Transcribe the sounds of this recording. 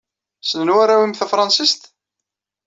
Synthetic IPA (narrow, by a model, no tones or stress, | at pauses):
sənənwaɾæwimθæfɾˤɑnsist̪